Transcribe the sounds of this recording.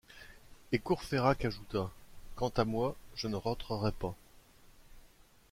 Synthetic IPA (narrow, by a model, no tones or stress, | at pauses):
ekuʁfeʁakaʒut̪akɑ̃t̪amwaʒənəʁɑ̃t̪χəʁɛpa